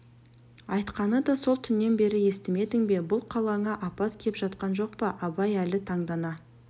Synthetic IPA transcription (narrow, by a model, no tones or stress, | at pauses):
ɑjt̪qɑnəd̪ɑso̞lˠt̪ʰʏnːe̞nbe̞ɾɪje̞st̪ɪme̞d̪ɪŋbe̞bʊlˠqʰɑlˠɑɴɑʔɑpɑt̪kʲʰe̞pʒɑt̪̚qɑnʒo̞qpɑʔɑbɑjælɪt̪ʰɑɴd̪ɑnɑ